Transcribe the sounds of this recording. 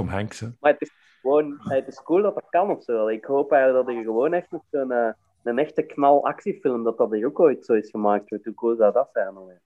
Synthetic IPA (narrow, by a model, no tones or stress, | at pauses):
ɔmɦɛŋksəmaətɪs | xəʋoːnɛətɪskuːlˠdɑtdɑkɑnɔfsoːɑlˠːɪkhoːpɛjɣənlək̚dɑtɪkɣəʋoːnɛxtnɔtsoənəː | ənɛxtəknɑlˠɑ̰ksifɪlˠmdɑt̚ɑtɪkokoːjtsoːɪsxəmaːk̚tɔtukuːlˠdawdɑtsɛnəlɛ